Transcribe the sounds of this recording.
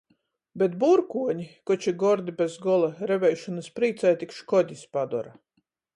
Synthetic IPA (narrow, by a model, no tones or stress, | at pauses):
bɛt̪̚buɾkuɔɲikɔt͡ʃiɡɔɾd̪ibʲɛzɡɔlˠaɾɛvɛjʃɔnɨspɾiːt̪sajt̪ikʃkɔd̪ʲispad̪ɔ̰ɾa